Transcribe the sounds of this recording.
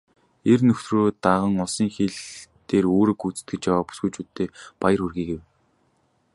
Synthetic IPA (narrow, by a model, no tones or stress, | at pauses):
ernɵxt̪roːt̪aʁə̆ŋɔsiːŋxeɮt̪eːroːɾɵ̆kut͡s̆t̪̚ɡɘ̆t͡ɕjawaːpu̥sɡujt͡ɕuːt̪ʰːeːpajə̆ɾɵrɣiːɡew